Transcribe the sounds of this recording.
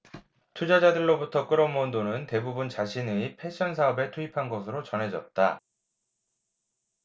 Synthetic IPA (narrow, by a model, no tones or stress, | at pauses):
tʰud͡ʑad͡ʑadɯɭːobutʰʌk͈ɯɾʌmondonɯnte̞bubunt͡ɕaɕʰinɯipʰe̞ɕ͈ʰʌns̬ʰaʌbe̞tʰuipʰanɡʌsʰɯɾot͡ɕʌnɦe̞d͡ʑʌt̚t͈a̰